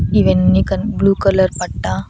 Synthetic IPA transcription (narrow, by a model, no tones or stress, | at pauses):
iʋennikənbluːkələɾpaɽʈa